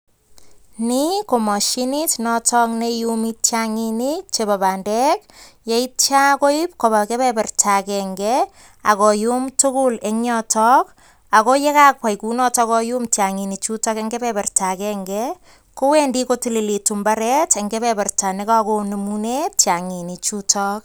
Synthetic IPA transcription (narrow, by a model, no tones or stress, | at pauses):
nikomɔʃinitnɔtɔknejumit͡ʃaŋinit͡ʃebaβandɛk̚ | jeit̚t͡ʃakoip̚koβakeβɛpɛrtʰakɛŋɡɛ | akɔjumtukuleŋɲɔtʰɔk̚ | akojekakwajkunɔtɔkɔjumtaŋinit͡ʃutɔkeŋɡepɛpɛrtakɛŋɡɛ | kowendikotililitumbaɾɛteŋɡebɛpɛrtanikakonumunett͡ʃaŋinit͡ʃutʰɔk̚